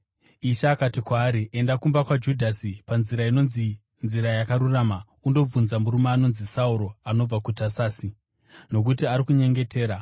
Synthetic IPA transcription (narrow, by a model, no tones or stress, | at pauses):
iʃaːkatikwaːɾiʔe̞ndakumbakwad͡ʒudʱasipanziɾaino̞nzi | nziɾajakaɾuraːma | undo̞b͡vunzamuɾumaːno̞nzisauɾo̞ano̞b͡vakutasaːsi | no̞k̬utiaɾikuɲe̞ŋɡe̞te̞ːɾa